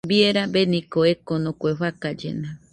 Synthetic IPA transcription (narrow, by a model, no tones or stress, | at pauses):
bieɾabenĩkoekonõkweɸakad͡ʒḛna